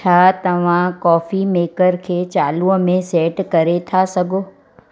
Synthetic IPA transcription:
t͡ʃʰat̪ɐʋ̤ãkɔːfimeːkəɾkʰeːt͡ɕaːlumẽseːʈkɐɾet̪ʰasɐɡʱoː

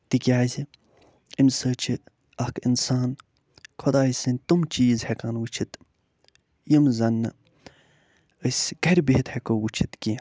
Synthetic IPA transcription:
t̪ikijaːzi | imsəːt͡ʃʰi | ɐkḭnsaːn | kʰod̪aːisɨnʲt̪umt͡ʃiːzhekaːnwut͡ʃʰit̪ | jimzɐnːɨ | əsʲɡɐɾʲbiɦit̪hekoːwut͡ʃʰit̪ki

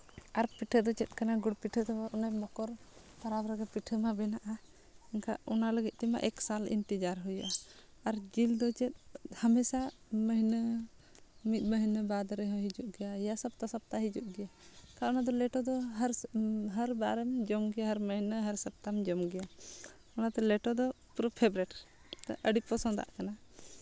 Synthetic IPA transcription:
aɾpiʈʰəd̪ɔt͡ʃɛt̪̚ˀkanaɡuɽpiʈʰəd̪ɔbaʔɔnajmɔkɔɾ | t̪aɾabɾəɡapiʈʰəmabɛnaʔa | ɛnkʰa̰ʔunaləɡit̪̚ˀt̪ɛma̰ʔɛksalḭnʈ̪id͡ʒaɾɦujaʔa | aɾd͡ʒild̪ɔt͡ʃɛt̪̚ˀhamɛsaməɦinə | mit̪̚ˀməɦnəbad̪ɾɛɦɔ̃ɦid͡ʒuʔɡɛjajasəbt̪asəp̚t̪aɦid͡ʒuʔ̚ɡɛjakaʔɔnad̪ɔlɛʈɔd̪ɔɦəɾɦəɾbaɾɛmd͡ʒɔmɡɛjaɦəɾməɦinəɦəɾsəp̚t̪amd͡ʒɔmɡɛja | ɔnat̪ɔlɛʈɔd̪ɔ | pɾɔpʰɛbɾɛʈ | t̪ʔəɖipɔsɔ̃d̪a̰ʔkana

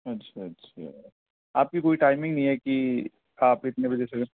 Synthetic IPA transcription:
ɐtːʃʰaɐtːʃʰa̰ | aːp̚kikoːiʈaːɪmɪ̃ŋɡnɐɦĩɦɛki | aːpɪt̪nebɐd͡ʒɛse

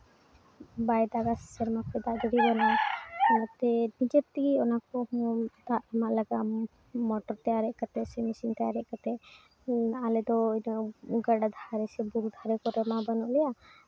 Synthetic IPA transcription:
bajd̪aɡassɛɾmapʰɛd̪aʔd̪ɔɽiɾɔnanat̪ɛnid͡ʒep̚t̪iɡiɔnakɔhɔ̃d̪aʔɛmaʔlaɡaʔ | mɔʈɔɾt̪ɛaɾɛʔkat̪ɛsɛmisint̪ɛaɾɛʔkat̪ɛ | alɛd̪ɔinɔɡaɽad̪ʱaɾɛsɛbuɾud̪ʱaɾɛkɔɾɛmabanɔʔlɛja

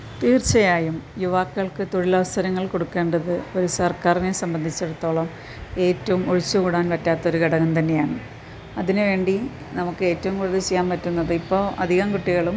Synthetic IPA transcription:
t̪iːrt͡ɕːɐjaːjumjuʋaːkːɐɭkɨt̪oɻilɐʋɐsɐɾɐŋːɐɭko̞ɽukːe̞ːɳɖɐðɨo̞ɾusɐrkaːrnesɐmbɐnd̪ʱit͡ɕːeɽut̪ːo̞ːɭɐm | e̞ːtːɐʋumoɻit͡ɕːuɣuːɽaːnpɐtːaːt̪ːɐo̞ɾuɡeɽɐnɐmt̪ɐnːe̞jaːɳɨ | ɐðinɨʋe̞ːɳɖi | nɐmukːɨe̞ːtːɐʋumkuːɽɐðɨt͡ɕejːaːnpɐtːunːɐðɨipːo̞ːʔɐ̰d̪ʱiɣɐmkuʈːiɣɐɭum

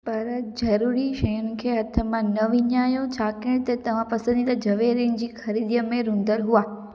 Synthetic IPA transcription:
pɐɾd͡ʑɐɾuɾiʃɐjʊnɪ̆kʰeːɦɐt̪ʰəmãnɐʋɪɲaːjot͡ɕʰaːkɪ̃ɽ̃t̪ɐt̪ɐʋ̤ãpɐsə̃nd̪it̪ɐd͡ʑɐʋeɾɪ̃nd͡ʑiːxɐɾiːd̪ijəmẽɾũnd̪əɾɦuaː

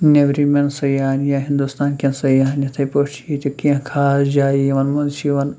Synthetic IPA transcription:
nebɾimensɐjaːnjaɦind̪ust̪aːnkʲɐnsɐjaːnjɐt̪ʰɐjpot͡ʃʰiit̪ʲɐkĩkʰaːsd͡ʒaːjiʋɐnmɐnt͡ʃʰiʋɐn

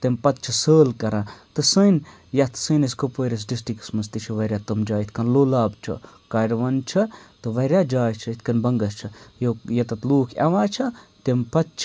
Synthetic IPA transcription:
t̪empɐt̪̚t͡ʃʰɐsəːlkɐɾãːt̪ɨsɨn | jɐt̪ʰsɨːniskopoːɾʲɐs̬ɖisʈiksmɐst̪it͡ʃʰɐʋɐɾʲaːt̪ɨmd͡ʒaːit̪ʰkɐnloːlaːbt͡ʃʰɐ̰kaːɾʋɐnt͡ʃʰɐt̪ɨʋɐɾʲjaːd͡ʒaːjt͡ʃʰɐit̪ʰkɐnbɐŋɡɐst͡ʃʰɐjojɐt̪ɐt̪luːkʰɐ̰ʋãːt͡ʃʰɐt̪empɐt̪̚t͡ʃʰ

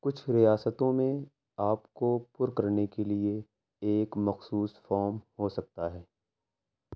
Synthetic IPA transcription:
kʊt͡ʃʰɾijaːsət̪õmẽ | aːpkopʊɾkɐɾnekelie | eːkmɐxsuːsfɔːɾmhosɐk̚t̪aɦɛː

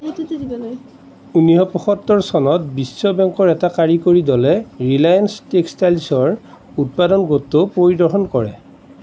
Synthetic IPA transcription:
uniɦɔpɔxɔtːɔɹsɔnɔtbisːɔbɛŋkɔɹɛtakaɹikoɹidɔlɛɹilajanstekstalsɔɹ | ut̚padɔnɡotːopoɹidɔɹɦɔnkɔɹɛ̰

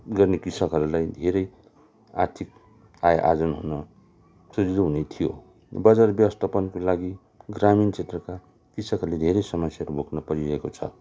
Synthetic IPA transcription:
ɡʌrnekisʌkɦʌɾulajd̪ʱeɾʌj | a̰rt̪ʰik̚ | ajʔa̰d͡zʌnɦunʌ | sud͡zid̪ʌɦunet̪ʰijo̰ | bʌd͡zarbjʌwʌst̪ʰapʌnkolaɡi | ɡramint͡sʰet̪rʌka | kisʌkɦʌɾuled̪ʱeɾʌjsʌmʌsjaɦʌɾubʱoknʌpʌɾiɾʌekot͡sʰʌ̰

